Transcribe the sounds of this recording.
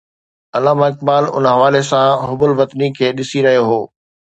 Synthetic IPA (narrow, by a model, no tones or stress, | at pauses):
ɐlaːmaɪkbaːlʊ̰nɦɐʋaːlesãɦʊbʊlʋɐt̪nikʰeːɗɪsiɾɐɦijoɦoː